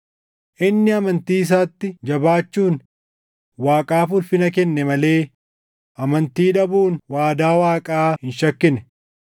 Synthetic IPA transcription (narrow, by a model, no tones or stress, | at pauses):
ʔɪnːɪɐmɐnt̪iːɪs̬aːt̪ːɪd͡ʒɐbaːt͡ʃːuːn | waːkʼaːfʊlfɪnɐkɛnːɛmɐle̞ː | ʔɐmɐnt̪iːᶑɐbuːnwaːd̪aːwaːkʼaːhɪnʃɐkːɪnɛ